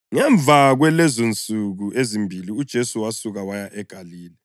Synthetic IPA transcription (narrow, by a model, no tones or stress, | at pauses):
ŋɛɱb̪vʱaɣwɛlɛzont͡sʼuɣuʔezimbʱiliud̥ʒ̥ʱesuwasuɣawajaʔɛɡ̥ʱaliːlɛ